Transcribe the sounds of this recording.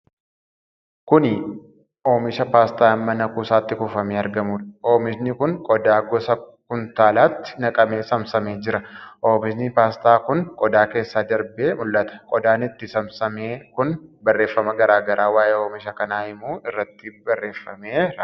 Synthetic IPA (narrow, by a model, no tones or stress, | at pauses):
kʊnɪ | ʔoːmɪʃɐpaːst̪aːmːɐnɐkuːsaːt̪ːɪkʊfɐmeːɐɾɡɐmuːᶑɐo̞ːmɪʃnɪkʊŋkʼɔd̪aːɡɔsɐkʊnt̪aːlaːt̪ːɪ̥nɐkʼɐme̞ːsɐmsɐmeːd͡ʒɪɾɐʔoːmɪʃnpaːst̪aːkʊŋkʼɔd̪aːke̞ːsːaːd̪ɐɾbe̞ːmʊlːɐt̪ɐ̥kʼɔd̪aːnɪt̪ːɪsɐmsɐmeːkʊnbɐrːe̞ːfːɐmɐɡɐɾaːɡɐɾʔaːwaːʔeːoːmɪʃɐkɐnaːhɪmuːɪrːɐt̪ːɪbɐrːe̞ːfːɐmeːɾɐ